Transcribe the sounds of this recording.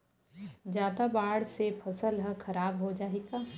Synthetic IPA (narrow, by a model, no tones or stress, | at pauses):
d͡ʒjaːd̪abaːɽsepʰɐsəlɦə̃kʰɐɾaːbɦod͡ʒaːeːɡaː